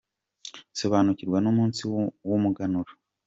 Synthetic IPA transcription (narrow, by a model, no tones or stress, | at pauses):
soβanuciɾɡwanomuːnsiwumuɡanuɾo̥